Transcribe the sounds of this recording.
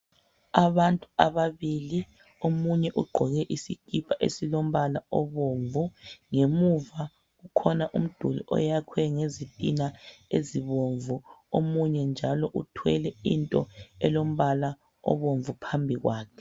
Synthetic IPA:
aβantʼuaβaβili | omuɲɛʔuɡ͡ǃʱɔɣɛʔisikʰʼipʰaʔḛsilom̩βalaɔβoɱvuŋemuva | ɣukʰɔnaʔum̩d̥ʱulḭʔɔ̰jakʰwɛŋezitʼinaeziβoɱvuomuɲɛnd͡ʒʱalɔʔutʰwɛlɛintʼɔɛlom̩βala | ɔ̰βoɱvupʰambʱiɣwaːkʰɛ̥

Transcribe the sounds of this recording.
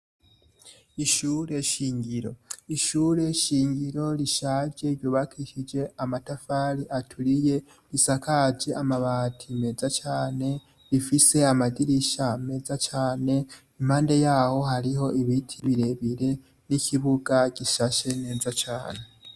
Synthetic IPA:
iʃuːɾe̞ʃiːŋɟiɾo̞̰iʃuːɾe̞ʃiːɲɟiɾo̞ɾiʃad͡ʒe̞ɾjuːβakʰiʃid͡ʒe̞amatafaːɾiʔatʰuɾije̞ | ɾisakʰad͡ʒe̞amaβaːtʰime̞zat͡ʃaːne̞ | ɾifise̞amadiɾiʃame̞zat͡ʃaːne̞ | im̥haːnde̞jaːho̞ɦaɾiɦo̞ʔiβitʰiβiɾe̞βiɾe̞ | nicʰiβuɡaɟiʃaʃe̞ne̞ːzat͡ʃaːne̞

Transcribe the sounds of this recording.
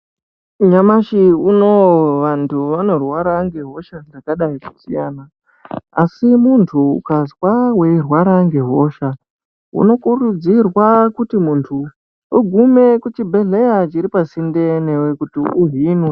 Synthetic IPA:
ɲamaʃiunoʋantʰuʋano̞rwaɾaŋɡe̞ɦo̞ʃandakaɗaiku̥sḭjaːnaː | simuntʰṵːkazwawe̞irwaɾaŋɡe̞ɦo̞ʃa | ṵno̞kurud͡zirwakutimuntʰu | uɡʱumekut͡ʃibʱe̞ɮe̞jat͡ʃiɾipasinde̞newekutiuɦinwe

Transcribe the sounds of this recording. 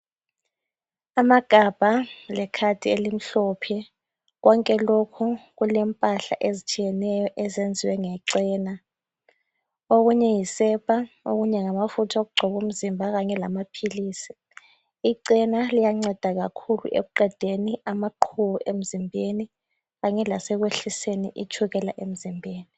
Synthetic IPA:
amaɡ̥ʱab̥ʱalɛkʰad̥ʱielim̩ɬɔːpʰɛ | ɣɔŋkʼɛlokʰuɣ̬ulɛmpʼaɬa̰ʔezit͡ʃʰʼijɛnɛjɔʔɛzend͡zʱiwɛŋɛǀɛːna | oɣuɲɛjisɛpʰʼa | o̰ɣuɲɛŋamafutʰaoɣuɡ͡ǃʱɔβum̩zimbʱaɣaɲɛlamapʰiliːsi̥ | iǀɛnalijaŋ͡ǀɛd̥ʱaɣakʰulṵʔḛɣuǃɛd̥ʱeniamaǃʰuβuʔem̩zimbʱeni | ɣaɲɛlasɛɣ̬weɬisenḭʔit͡ʃʰuɣɛlaʔem̩zimbʱeːni

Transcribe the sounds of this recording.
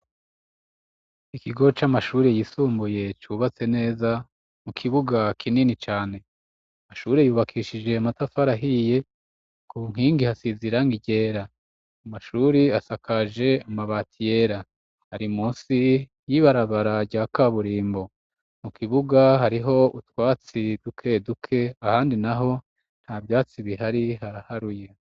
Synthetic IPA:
ikiɡo̞t͡ʃamaʃuːɾejisuːmbuje̞t͡ʃuβat͡se̞ne̞ːza | mukʰiβuɡakʰininit͡ʃaːne̞ | amaʃuːɾejuːβakʰiːʃid͡ʒe̞amatafaɾaɦije̞ | kuŋ̥hiːŋɡihasiziɾaŋɡiɟe̞ːɾa | amaʃuːɾiasakaʒe̞amaβaːtʰije̞ɾa | haɾimuːsi | jiβaɾaβaɾaɟaːkaβuɾiːmbo̞ | mukiβuɡaɦaɾiɦo̞ʔutwaːt͡sidukʰe̞dukʰe̞ahaːndinaɦo̞ | n̥habjaːt͡siβiɦaɾihaɾahaɾuje̞

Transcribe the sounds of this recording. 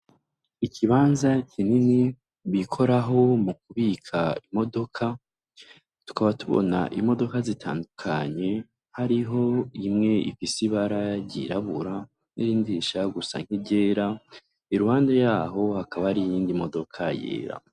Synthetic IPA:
icʰiβaːnzacʰinini | βikʰo̞ɾaɦo̞muk̚uβiːkʰaimo̞do̞kʰa | tu̥kaβatuβo̞̰na̰ʔimo̞do̞kazitʰa̰ːndukʰaɲe̞ | haɾiɦo̞imŋe̞ʔḭfisiβaɾajɟḭɾaβuɾa | nḭɾiːndiʃaɡusa̰ŋ̥hibɟeːɾa | iɾuhaːndejaːɦo̞hakaβahaɾijiːndimo̞do̞kʰajḛːɾa̰

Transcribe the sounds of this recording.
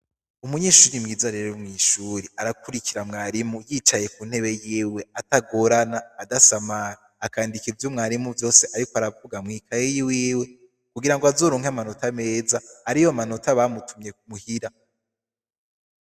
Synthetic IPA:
umuɲe̞ːʃuːɾimŋiːzaɾe̞ɾomŋiːʃuːɾiaɾakuɾikiɾamŋaːɾimujiːt͡ʃaje̞kun̥he̞βe̞jiːwe̞ataɡo̞ɾanaːdasamaː | kaːndikivjomŋaːɾimuvjo̞ːse̞ʔaɾikoaɾavuɡamŋiːkʰajejiwiːwe̞ | kuɡiɾaŋɡoazo̞ːɾoːŋhamano̞tame̞ːzaaɾijomano̞taβamutumɲe̞kmuhiɾa

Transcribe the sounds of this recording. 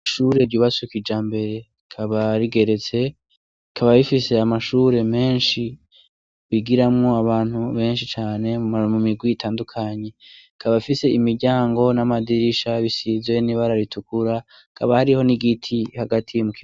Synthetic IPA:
ʃuɾe̞ɾɟuːβasukid͡ʒaːmbe̞ɾe̞ | kʰaβaɾiɡe̞ɾe̞t͡se̞ | kʰaβaβifise̞amaʃuɾe̞me̞ːnʃi | βiɡiɾamŋoaβaːn̥huβe̞ːnʃit͡ʃaːne̞mumiɡwiitʰaːndukʰaɲe̞ | kʰaβafise̞imiɾɟaːŋɡo̞namadiɾiʃaβisizwe̞niβaɾaɾitʰukuɾa | kʰaβahaɾiho̞niɡitʰihaɡatʰijomuki

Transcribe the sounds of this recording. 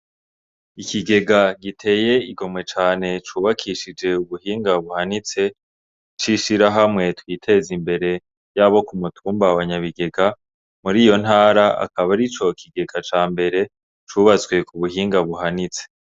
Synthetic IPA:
ikiɡe̞ɡaɡitʰe̞ːje̞iɡo̞mwe̞t͡ʃaːne̞t͡ʃuβakʰiʃid͡ʒe̞uβuhiːŋɡaβuhanit͡se̞ | t͡ʃiʃiɾaɦamŋe̞twiːtʰe̞zimbe̞ɾe̞ | jaβo̞kumutʰuːmbawaɲaβiɡe̞ɡa | muɾiːjo̞n̥haːɾaʔa̰kaβaɾit͡ʃo̞kʰiɡe̞ɡat͡ʃaːmbe̞ɾe̞ | t͡ʃuβazɡwe̞kuβuɦiːŋɡaβuhanit͡se̥

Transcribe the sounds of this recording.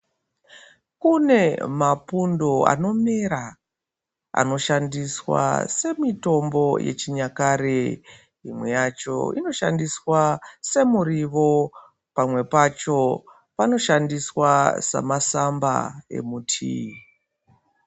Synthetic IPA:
kune̞mapundo̞a̰no̞meɾa | a̰no̞ʃandiswa̰se̞mito̞mbo̞je̞̰t͡ʃiɲakaɾe | imwe̞jat͡ʃo̞̰ino̞ʃandiswase̞muɾiʋo̞ | pamwe̞pat͡ʃo̞ | pano̞ʃandiswasa̰masamba̰e̞̰mutʰḭ

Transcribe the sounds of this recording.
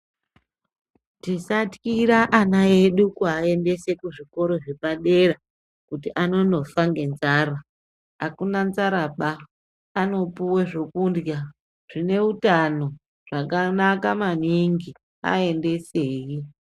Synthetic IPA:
tisatkiɾaʔanae̞ɗukuae̞nde̞se̞kuʐiko̞ɾo̞ʐepaɗe̞ra | kutiʔano̞no̞faŋɡe̞nzaːra | akunanzaɾaɓaː | no̞puweʐokundja | ʐ̥ine̞utano̞ | ʐ̥akanakamaniŋɡi | a̰e̞nde̞seːji

